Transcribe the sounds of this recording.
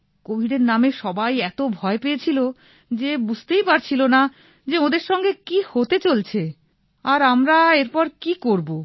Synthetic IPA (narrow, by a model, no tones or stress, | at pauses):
kobʱiɖeɾnameʃɔbajɛt̪obʱɔepejet͡ɕʰilo | d͡ʑebud͡ʑʱt̪ejpaɾt͡ɕʰilona | d͡ʑeod̪eɾʃɔŋɡekihot̪et͡ɕolt͡ɕʰe | aɾamɾaeɾpɔɾkikoɾbo